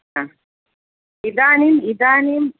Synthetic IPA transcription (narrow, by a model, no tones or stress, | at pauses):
a | id̪aːnimid̪aːnim